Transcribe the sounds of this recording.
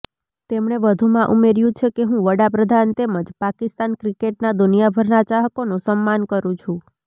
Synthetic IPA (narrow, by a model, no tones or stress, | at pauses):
t̪emɳeʋəd̪ʱumãʔumeɾjũt͡ʃʰekeɦũʋəɽapɾəd̪ʱant̪eməd͡ʒpakist̪ankɾikeʈnad̪unijabʱəɾnat͡ʃaɦəkonũsəmːankəɾũt͡ʃʰũ